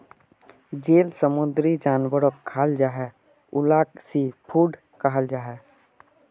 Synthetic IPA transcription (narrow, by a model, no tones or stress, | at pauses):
d͡ʒeːlsəmʊ̃nd̪ɾid͡ʒaːnwəɾokʰːaːld͡ʒaːɦɛ | ʊlaːksipʰuːɖ | kaɦəld͡ʒaːɦɛː